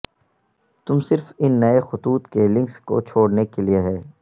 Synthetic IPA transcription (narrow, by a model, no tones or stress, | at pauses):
t̪ʊmsɪɾfɪnːɐexʊt̪uːt̪kelɪ̃ŋksko̰t͡ʃʰoːɽnekelieɦɛː